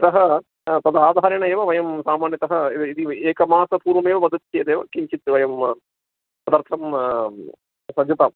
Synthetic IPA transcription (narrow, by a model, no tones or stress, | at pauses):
t̪ɐɦɐ | t̪ɐd̪aːd̪ʱaːɾɐɳɐeːʋɐʋɐjɐmsaːmaːnjɐt̪ɐɦɐiid̪ieːkɐmaːsɐpuːɾʋɐmeːʋɐʋɐd̪ɐt͡ʃeːd̪eːʋɐkiɲt͡ʃit̪ːʋɐjɐm | sɐd̪ɐɾt̪ʰɐm | sɐd͡ʒup̪ɐm